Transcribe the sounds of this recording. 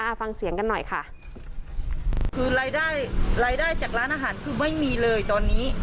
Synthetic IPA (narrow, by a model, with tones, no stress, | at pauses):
aː˧fa˧ŋsi˨˩˦əŋka˧nːɔ˨˩jkʰa̰˥˩ | kʰɯː˧la˧ja˥˩jɾaː˧jdaː˥˩jt͡ɕaː˨˩k̚ɾaː˦˥nʔaː˧ɦaː˩˦nkʰɯː˧ma˥˩jmiː˧lɤː˧jt̪ɔː˧nːiː˦˥